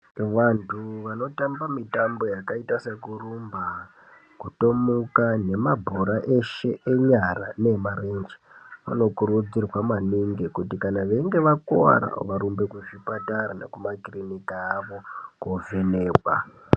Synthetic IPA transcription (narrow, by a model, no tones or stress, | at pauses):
ʋantʰuʋano̞tambamitambo̞jakaitase̞kurumba | kuto̞mukane̞mabʱoɾaʔe̞ʃe̞eɲarane̞maɾend͡ʒi | ʋa̰no̞kuɾud͡zirwamaniŋɡekutikanaʋe̞ŋɡe̞ʋakoa̰ɾa̰ʋaɾumbe̞kuʐipataɾana̰kumakirinikaːʋo̞kovine̞ːkwa̰